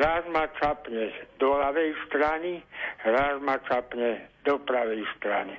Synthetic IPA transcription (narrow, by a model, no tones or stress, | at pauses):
ɾazmat͡ʃapɲɛd̪ɔlaʋɛjst̪ɾaniɾazmat͡ʃapɲɛd̪ɔpɾaʋɛjst̪ɾa̰ni